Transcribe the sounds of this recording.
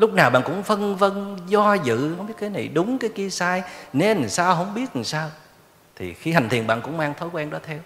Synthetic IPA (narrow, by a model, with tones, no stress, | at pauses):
lʊ˦˥k͡p̚naː˨˩wɓa̰ː˧˨nkʊ̰˧˥ŋ͡mfə˧nvə˧nzɔ˧zɨ̰˧˨hə˧wŋ͡mɓi˦˥ət̚kaː˨˦na˨˩jɗʊ˨˦ŋ͡mkaː˨˦jki˧əsaː˧jne˨˧n˨˩saː˧wɦə˧wŋ͡mɓi˦˥ət̚saː˧w | t̪ʰḭ˨˩xi˧ha˨˩ŋ̟t̪ʰi˨˩ənɓa̰ː˧˨nkʊ̰˧˥ŋ͡mmaː˧ŋt̪ʰo˨˦kwɛ˧nɗɔ˨˦t̪ʰɛ˧w